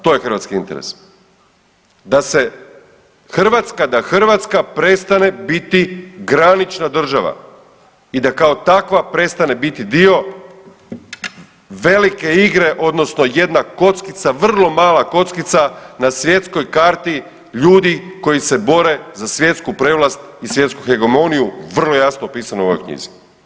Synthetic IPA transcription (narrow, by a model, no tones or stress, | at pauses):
t̪o̞jexr̩ʋa̰t̪skiint̪eɾḛs | d̪ase̞ | xr̩ʋat̪skad̪axr̩ʋat̪skapɾe̞st̪ane̞bit̪iɡɾanit͡ʃnad̪r̩ʒaʋa̰ | id̪akao̞t̪akʋapɾe̞t̪st̪ane̞bit̪id̪io̞ | ʋe̞like̞iɡɾe̞ʔo̞d̪no̞sno̞je̞d̪nako̞t̪skit̪saʋr̩lˠo̞maːlˠako̞t̪skit̪sanasʋje̞t̪sko̞jkaːɾt̪i | ʎuːd̪iko̞jise̞bo̞ɾe̞zasʋje̞t̪skupɾeːʋlast̪isʋje̞t̪skuxe̞ɡo̞mo̞nijuʋr̩lo̞jasnopiːsanouo̰ojkɲḭzi